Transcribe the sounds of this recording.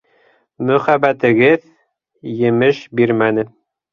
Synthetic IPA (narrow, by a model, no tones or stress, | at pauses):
mɵ̆χæbæt̪ɘ̆ɡɘð | jɘ̆mɘʃbiɾmænɘ